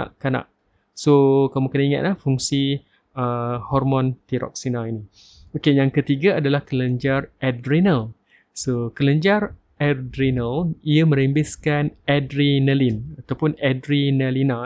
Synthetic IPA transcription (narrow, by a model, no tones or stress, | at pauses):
a̰ʔkːana̰ʔ̚ | sokamukənaiŋa̰t̪̚lahfuŋsi | əhɔrmɔ̃nt̪iɾɔ̰k̚sinaini | okejaŋkət̪iɡaadalahkələɲd͡ʒarʔɛdɾinəl | sokələɲd͡ʒar | ɛdɾinəliəmə̃ɾimbɪskanɛdɾinəlinat̪awpʊnɛdɾinəlina